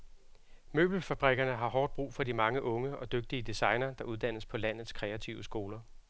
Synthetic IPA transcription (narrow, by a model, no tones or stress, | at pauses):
mø̰ːb̥l̩fæb̥ʁɛɡ̥ɐnəɦɑ̈ɦɒːd̥̚b̥ʁṵːfɒ̽dimɑ̈ŋəʔɔ̽ŋəɒ̽d̥øɡ̥̚d̥iəd̥isɑ̈ɪnɐd̥ɑ̈ʔuðˠd̥æn̰əspʰɒ̽læn̰ð̞̩ˠskʰʁɛæt͡sʰiʊəsɡ̥o̝ːlɐ